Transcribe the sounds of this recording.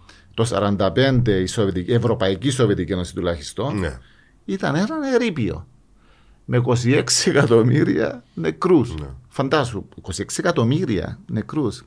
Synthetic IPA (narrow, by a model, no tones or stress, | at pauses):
t̪o̞sɐ̰ɾɐnd̪ɐpe̞nd̪e̞isovet̪ievɾo̞pɐicisovet̪icenosit̪ulɐçist̪o̞nn̰ | it̪ɐneɾɐneɾipio̞̰ | meko̞s̬ieksiekɐt̪omiɾḭɐ̰nekɾusfɐnd̪ɐsukosieksiekɐt̪o̞miɾiɐ̰nekɾus